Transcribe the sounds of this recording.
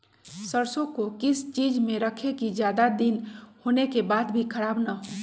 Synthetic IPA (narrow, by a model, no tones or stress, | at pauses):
səɾsõkokɪst͡ʃid͡ʒmẽɾəkʰekid͡ʒjad̪ad̪inhonekebaːd̪bʱikʰəɾaːbnaɦo